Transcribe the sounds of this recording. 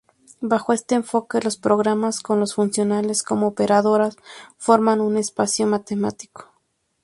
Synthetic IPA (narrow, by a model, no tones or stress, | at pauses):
baxoe̞st̪e̞ːɱfo̞kelo̞spɾoɣɾamasko̞nlosfunsjo̞nale̞sko̞moːpeɾaðo̞ɾasfo̞ɾmanune̞spasjo̞mat̪ema̰t̪i̥ko̥